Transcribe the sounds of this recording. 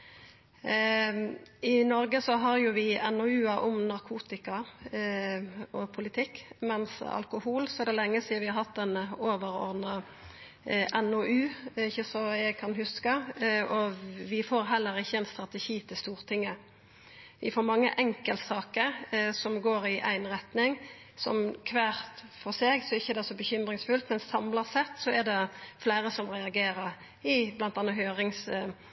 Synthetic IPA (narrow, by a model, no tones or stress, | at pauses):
ɪnɔɾɡəsɔɦɑɾjʊʋɪɛnɔʉːɑʔɔmnɑɾkʰuːt̪ɪkɑ | ɔpʰʊlɪt̪ʰɪkːmɛnsɑ̰lkʊhuːlsɔɛd̪ɛlɛŋːəsɪʋɪhɑɾhɑt̪ːɛnoːʋəɾɔ̰ɾd̪nɑ | ʔɛnoʔʉːɪçːəsɔjæɪɡkʰɑnɦʉskəɔʋɪfoːɾɦɛlːəɾɪçːəɛnst̪ɾɑt̪əʃiːt̪ʰɪlst̪uːʁt̪ʰɪŋːə | ʋɪfoːɾmɑŋːə̰ʔɛŋkəlt̪sɑːkəɾsɔmɡoːɾɪʔæ̰ɪnɾɛt̪nɪŋ | sɔ̰mkʰʋæːʁt̪fɔʁseːɡsɔɛɪçːəɛd̪ɛsɔbəçʏmɾɪŋsfʉlt̪mɛnsɑmləsɛt̪ːsɔɛd̪ɛflæɪɾəsɔmʁɛɑɡeːɾəɾ | ɪblɑnt̪ɑnːəɦøːɾɪŋs